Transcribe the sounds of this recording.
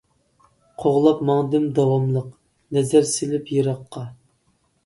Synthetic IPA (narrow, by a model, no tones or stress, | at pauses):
qʰoʁlˠɑpmɑŋd̪ɨmd̪ɑwɑmlˠəq | nɛzæɾsɪlɪpʰjeɾɑqːɑ